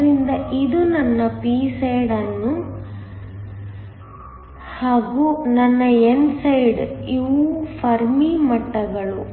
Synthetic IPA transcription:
ɾind̪ɐʔid̪unɐnːɐpiːsɐjɖɐnːu | haːɡunɐnːɐensɐjɖiʋpʰɐɾmimɐʈːɐɡɐɭu

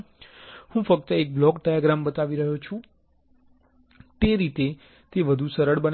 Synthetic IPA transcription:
hũfək̚t̪əek̚blɔkɖajaɡɾambət̪aʋiɾəɦot͡ʃʰũ | t̪eɾit̪e | t̪eʋəd̪ʱusəɾəɽbən

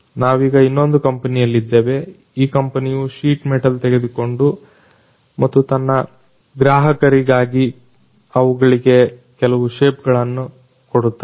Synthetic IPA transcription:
naːʋiːɡɐinːo̞nd̪ukɐmpɐnijɐlːid̪ːeːʋe̞ | iːkɐmpɐnijuʂiːʈmeʈɐlt̪ɛɡe̞d̪uko̞ɳɖu | mɐt̪ːut̪ɐnːɐ | ɡɾaːɦɐkɐɾiɡaːɡi | ɐʋuɡɐɭiɡe̞kɛlɐʋuʂeːpɡɐɭɐnːu | koɽut̪ːa

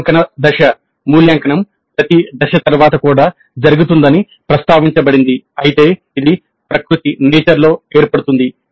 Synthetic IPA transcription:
ŋkɐnɐd̪ɐʃɐ | muːljaːŋkɐɳɐm | pɾɐt̪id̪ɐʃɐt̪ɐɾʋaːt̪ɐkuːɽaː | d͡ʒɐɾuɡut̪und̪ɐni | pɾɐst̪aːʋiɲt͡ʃɐbɐɽind̪iɐjit̪e̞ː | id̪i | pɾɐkɾut̪ineːt͡ʃɐɾlo̞ːe̞ːɾpɐɽut̪und̪i

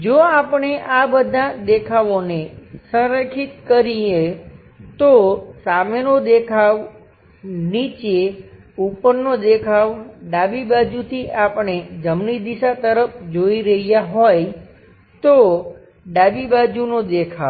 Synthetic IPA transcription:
d͡ʒoapəɳ̃eʔabəd̪ʱad̪ekʰaʋonesə̃ɾəkʰit̪kəɾie | t̪osamenod̪ekʰaʋ | nit͡ʃe | upəɾnod̪ekʰaʋɖabibad͡ʒut̪ʰiapɳ̃ed͡ʒəmnid̪iʃat̪əɾəp̚ʰd͡ʒoiɾəɦijaɦoj | t̪o | ɖabibad͡ʒunod̪ekʰa

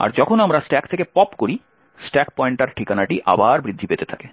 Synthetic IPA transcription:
a̰ɾd͡ʑɔkʰonamɾasʈɛkt̪ʰekepɔpkoɾi | sʈɛkpɔjɳʈaɾʈʰikanaʈiʔa̰baɾbɾid̪ʱːipet̪et̪ʰake

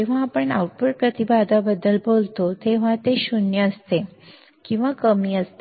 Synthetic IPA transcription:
d͡ʑeʋ̤aːpəɳa̰uʈpəʈ̚pɾət̪ibad̪abəd̪ːəlbolt̪ot̪eʋ̤ãt̪eɕunjəəst̪e | kĩw̃ʋakəmiːəst̪e

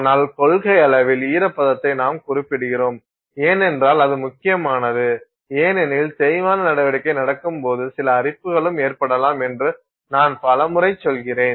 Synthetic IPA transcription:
naːlkɔɭɣɐɪɐɭɐʋɪliːɾɐpːɐðɐt̪ːɐɪnaːmkʊrɪpːɪɽɯɣɪroːm | eːnɛndraːlɐðɯmʊkːɪjɐmaːnɐðɯ | eːnɛnɪlt̪ɛɾɪʋaːnɐnɐɽɐʋɐɽɪkːɐɪnɐɽɐkːɯmpoːðɯsɪlɐːrɪpːɯɣɐɭɯmeːrpɐɽɐlaːmɛndrɯ | naːnpɐlɐmɯɾɐɪt͡ʃːɔlɣɪreːn

